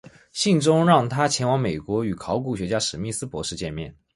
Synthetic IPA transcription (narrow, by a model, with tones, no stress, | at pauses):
ɕi˥˩ŋʈ͡ʂʊ˥ŋɻɑ˥˩ŋt̪ʰa˥t͡ɕʰjɛ˧˥nwɑ˧˥ŋme˨˩ɪkwɔ˧˥y˨˩kʰɑ˧˥ʊk̬u˥˩ɕɥɛ˧˥t͡ɕja˥ʂɻ̩˨˩mi˥˩sɹ̩˥pwɔ˧˥ʂɻ̩˥˧t͡ɕjɛ˥˧nmjɛ˥˩n